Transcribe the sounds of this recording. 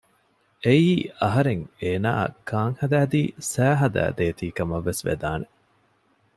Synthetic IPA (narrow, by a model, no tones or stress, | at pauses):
ʔeiːɐɦɐɾeŋeːna̰ːkʰaːŋhɐd̪æːd̪iːsæːɦɐd̪æ̰ːd̪eːt̪iːkɐmɐʋːesʋḛd̪aːne